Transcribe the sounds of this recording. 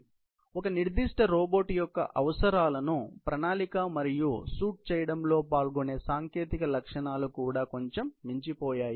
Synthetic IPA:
ɔkɐniɾd̪iʂʈɐɾɔːboːʈjɔkːɐ̰ʔɐʋɐsɐɾaːlɐnupɾɐnaːlikaːmɐɾijusuːʈ̚t͡ʃɛːjɐɽɐmlo̞ːpaːlɡone̞ːsaːŋke̞ːt̪ikɐlɐkʂɐɳaːlukuːɽaːko̞ɲt͡ʃemːiɲt͡ʃipɔːjaːji

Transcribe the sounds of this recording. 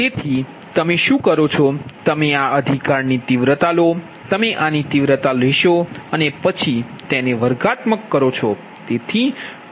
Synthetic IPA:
t̪et̪ʰi | t̪əmeʃũkəɾot͡ʃʰɔt̪əmeaəd̪ʱikaɾnit̪iʋɾət̪alo | t̪əmeʔanit̪iʋɾət̪aleʃoənepət͡ʃʰi | t̪eneʋəɾɡat̪məkːəɾot͡ʃʰɔ | t̪et̪ʰi

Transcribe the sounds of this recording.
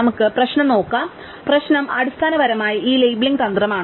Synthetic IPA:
ɐmukːɨprɐɕnɐmno̞ːkːam | prɐɕnɐmɐɽust̪ʰaːnɐʋɐɾɐmaːjɐʔiːlejbɭiŋɡt̪ɐnd̪rɐmaːɳ

